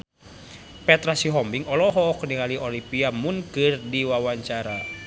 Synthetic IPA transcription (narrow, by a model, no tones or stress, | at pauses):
pɛt̪ɾasiɦɔmbiŋɔlɔɦɔknikaliɔlipiamunkɨrdiwawaɲt͡ʃaɾa